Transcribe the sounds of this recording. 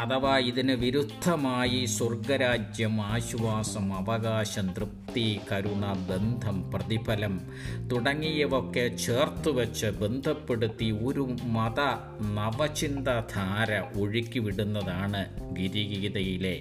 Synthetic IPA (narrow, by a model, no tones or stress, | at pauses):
ɐðɐʋaːiðinɨʋiɾud̪ʱːɐmaːjiswɐrɡɐɾaːd͡ʑjɐmaːɕuʋaːsɐmɐʋɐɣaːɕɐmt̪rɨp̚t̪ikɐɾunːɐbe̞nd̪ʱɐmprɐðibʰɐlɐm | t̪uɽɐŋːijɐʋo̞kːe̞t͡ɕe̞ːrt̪uʋɐt͡ɕːɨbe̞nd̪ʱɐpːe̞ɽut̪ːio̞ɾumɐðɐ | nɐʋɐt͡ɕind̪ɐd̪ʱʰaːɾɐʔo̞ɻikʲːuʋiɽunːɐðaːɳɨɡiɾiɣiiðɐjile̞